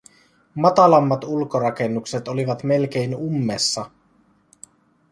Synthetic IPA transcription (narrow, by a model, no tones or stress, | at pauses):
mɑt̪ɑlɑmːɑt̪ulkoɾɑke̞nːukset̪oliʋɑt̪me̞lk̟e̞ijnumːesːɑ